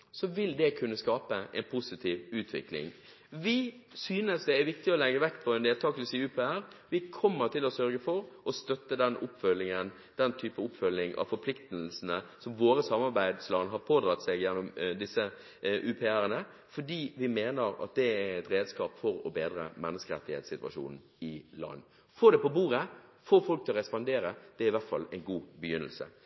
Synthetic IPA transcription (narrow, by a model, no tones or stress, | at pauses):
sɔʋɪld̪ɛkʰʉnːəskɑːpəʔɛ̰ɪnpʰʊsɪt̪ʰiːʋʉːt̪ʰʋɪ̰klɪ̰ŋ | ʋɪsyːnəsd̪ɛæɾʋɪkt̪ɪɔlɛɡəʋɛkːpʰɔɛnd̪eːlt̪ʰɑːkəlsiːʉːpʰɛːæɾʋɪkʰɔmːəɾt̪ʰɪlɔsœɾɡəfɔɾʔɔst̪œt̪ːəd̪ɛnʔʊpːfœlːɪŋən | d̪̥ɛnt̪ʰyːpəʊpːfœlːɪŋɑ̰ʋfɔɾpʰlɪkt̪əlsnəsɔmʋoːɾəsɑmɑɾbæɪd̪slɑnɦɑɾpʰoːd̪ɾɑt̪sɛɡjɛnːʊmd̪ɪsːə | ʔʉpʰɛæɾənə | fɔɖiːʋɪmeːnəɾɑ̰t̪̚d̪ɛæɛt̪ɾeːd̪skɑːpfɔɾɔbeːd̪ɾə̰mɛnːəskəɾɛ̰t̪ːɪhḛt̪sɪt̪ʋɑ̰ʃṵːnn̩ | ɪlɑ̰nː | foːd̪ɛpɔbuːɾəfoːfɔlk̚t̪ʰɪlɔʁɛspɑnd̪eːɾəd̪̥ɛæɾɪʋæɾt̪fɑ̰lɛɪnɡuːbəjʏnːə̰lsə̰